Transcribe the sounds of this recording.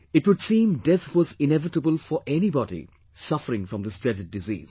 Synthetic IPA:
ɪʈwʊdsĩmdɛt̪ʰwɔzɪ̃nɛvɪtəbəlfɔʔɛnibɔdḭ | sʌfəɾɪ̃ŋfɹɔ̃md̪əstɹɛdɨdːɨzḭːz̥

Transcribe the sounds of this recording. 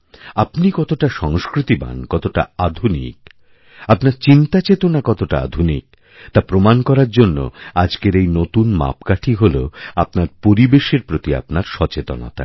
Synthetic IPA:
apnikɔt̪oʈaʃɔŋskɾit̪iba̰nkɔt̪oʈa̰ad̪ʱunḭk | apnaɾt͡ɕint̪at͡ɕet̪onakɔt̪oʈa̰a̰d̪ʱunḭk̚ | t̪apɾomankɔɾaɾd͡ʑonːo̰ad͡ʑkeɾejnot̪unma̰pkaʈʰiɦoloapnaɾpoɾibeʃeɾpɾot̪ia̰pnaɾʃɔt͡ɕet̪o̰na̰t̪a̰

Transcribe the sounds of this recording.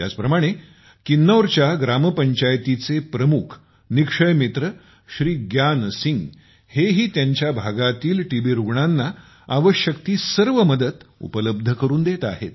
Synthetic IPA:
t̪ja̰t͡spɾəmaɽ̃e | kinːowɾt͡ɕjaɡɾaməpəɲt͡ɕajt̪it͡sepɾəmukʰ | nikʂəjmit̪ɾə | ɕɾiːɡjansiŋɡ | heɦiːt̪jaɲt͡ɕjabʱaɡat̪iːlʈibiɾuɡɳanːa | aʋəɕjəkt̪iːsəɾʋəməd̪ət̪ṵpələb̚d̪ʱəkəɾuːnd̪et̪a̰ɦḛt̪̚

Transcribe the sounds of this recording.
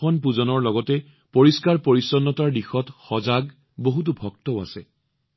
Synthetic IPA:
ɔnp̬uzɔnɔɹlɔɡɔtɛ | poɹiskaɹpoɹisɔnːɔtaɹdixɔtxɔzaɡ | boɦut̬ubʱɔk̚tɔʊa̰sɛ

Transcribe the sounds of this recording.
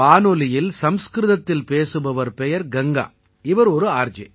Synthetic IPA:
aːnɔlɪjɪlsɐmskɾɪðɐt̪ːɪlpeːsɯbɐʋɐɾpɛjɐɾɡɛŋɡa̰ː | ɪʋɐɾɔɾɯaːɾd͡ʒɛ̰

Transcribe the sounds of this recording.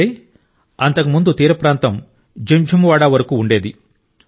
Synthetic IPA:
eː | ɐnt̪ɐkumund̪ut̪iːɾɐpɾaːnt̪ɐm | d͡ʒemd͡ʒʱumʋaːɽaːʋɐɾɐkuːuɳɖe̞ːd̪i

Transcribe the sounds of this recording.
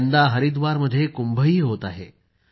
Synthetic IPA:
nd̪aɦəɾid̪ʋaɾməd̪ʱːjekumbʱəiːɦot̪aɦḛ

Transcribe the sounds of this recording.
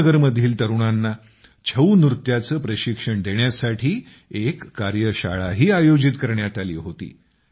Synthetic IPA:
ɡəɾməd̪ʱːiːlt̪əɾuɳ̃anːa | t͡ɕʰəunɾut̪jat͡səːpɾəɕikʂəɳd̪ʱeɳjasaʈʰiː | ekːaɾjəɕa̰ɭaɦiːajod͡ʑit̪kəɾɳjat̪alḭːɦot̪ḭː

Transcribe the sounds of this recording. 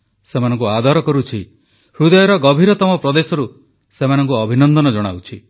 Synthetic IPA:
semanɔ̃ŋkuad̪ɔɾɔkɔɾut͡ʃʰi | hɾud̪ɔjɔɾɔɡɔbʱiɾɔt̪ɔmɔpɾɔd̪esɔɾu | semanɔŋkuɔbʱinɔnd̪ɔnɔd͡ʒɔɽ̃a̰wt͡ʃʰi

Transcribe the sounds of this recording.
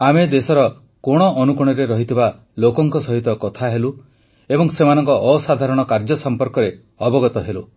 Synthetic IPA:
amed̪esɔɾɔ | koɽ̃ɔʔːnukuɽ̃ɔɾeɾɔɦit̪ʰiba | lokɔŋkɔsɔɦit̪ɔkɔt̪ʰaɦelu | ebɔŋsemanɔŋkɔʔːsad̪ʱaɾɔɽ̃ɔkaɾd͡ʒɔsɔmpɔɾkɔɾe | ɔbɔɡɔt̪ɔɦelu

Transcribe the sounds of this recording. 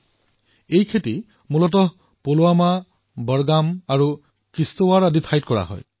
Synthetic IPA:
ejkʰeti | mulɔt̬ɔ | poloama | bɔɹɡamaɹu | kɹistowaɹaditʰajt̚kɔɹa̰ɦɔ̰j

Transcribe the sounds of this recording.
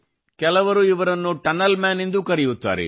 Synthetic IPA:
kɛlɐʋɐɾuiʋɐɾɐnːuʈɐnɐlmaːnend̪ukɐɾijut̪ːa̰ːɾḛ

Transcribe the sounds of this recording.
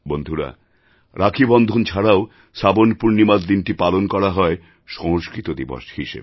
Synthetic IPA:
bond̪ʱuɾa̰ | ɾʔakʰibɔnd̪ʱont͡ɕʰaɽao | ʃabonpuɾnimad̪d̪inʈipalonkɔɾaɦɔe | ʃɔŋoskɾit̪od̪ibo̰ʃhiʃḛb

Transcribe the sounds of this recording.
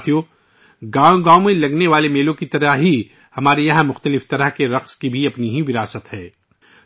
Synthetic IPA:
t̪ʰijo | ɡaːoɡãːomẽlɐɡneʋaːlemeːlõkit̪ɐɾəɦɦi | hɐmaːɾejɐɦãmʊxt̪əlɪft̪ɐɾəɦkeɾɐqskibʱiɐpniɦiʋɪɾaːsət̪hɛː

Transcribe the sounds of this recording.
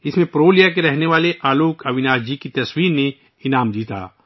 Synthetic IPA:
ɪsmẽpɾoːlijak̬eɾɛɦneʋaːleʔaːluːkʰɐʋɪnaːd͡ʒd͡ʒikit̪ɐswiːɾne | ɪnaːmd̪iːt̪a̰ː

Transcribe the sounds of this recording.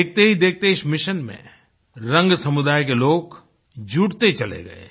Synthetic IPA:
eːk̚ʰt̪eɦid̪eːk̚ʰt̪eɪsmɪʃənmḛ̃ | ɾɐ̃ŋɡsɐmʊd̪aːjk̬eloːk | d͡ʒuːʈt̪et͡ʃɐlḛɡɐ̰ḛ

